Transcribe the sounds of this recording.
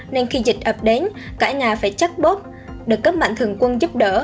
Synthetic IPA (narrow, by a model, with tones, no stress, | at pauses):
ne˧nxi˧zï˨˩k̚ʔə˨˩p̚ɗe˨˦nkaː˧˩ɲaː˨˩faː˧˩jt͡ɕa˦˥k̚ɓo˦˥p̚ | ɗɨ˨˩kːə˦˥p̚ma̰˧˨ŋt̪ʰɨ˨˩əŋkwə˧nzu˦˥p̚ɗəː˧˩